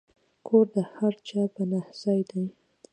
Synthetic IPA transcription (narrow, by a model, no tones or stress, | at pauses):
kʰoɾd̪əhaɾt͡ʃɑpənahz̥ɑjd̪aj